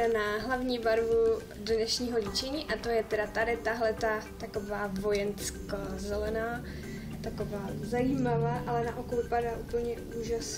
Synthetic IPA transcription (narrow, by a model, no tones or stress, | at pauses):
anaɦlavɲiːbaɾvu | dnɛʃɲiːɦo̞liːt͡ʃɛɲiːʔat̪o̞jɛt̪ɛdat̪adɪt̪aɦlɛt̪at̪ako̞vaːvo̞jɛnskazɛlɛnaː | t̪akovaːzajimavaːʔalɛnaʔokovɪpadaːʔupl̩ɲɛ | uːʒas